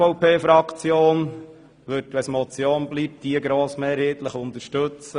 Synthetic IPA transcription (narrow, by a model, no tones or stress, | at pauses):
ɔwpʰeːfɾɑkt͡sjoːn | ʋɵtʋɛsmɔt͡sjoːnbliːp̚d̥iəɡɾoːsmeːɾheːtləχʊnt̪əʃtɵt͡sə